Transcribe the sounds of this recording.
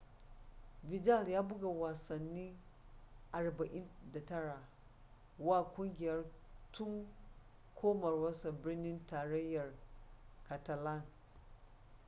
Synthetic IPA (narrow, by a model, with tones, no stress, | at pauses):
bɪ˨d͡ʒa˦˨ljaː˦bʊ˦ɡa˨waː˨sɐ˨nːiː˦ | ʔa˨ɽba˨ʔɪ˦nda˨tɐ˦ɽaː˨ | wa˦˨kʷʊ˦ŋɡʲɪ˨jɐ˦rtʊ˦ŋ | kʷʰoː˦mɐ˨rwɐ˦sa˨bɪ˦rnɪ˦ntaː˨ɽɐ˦jːɐ˨rka˨ta˨la˦˨n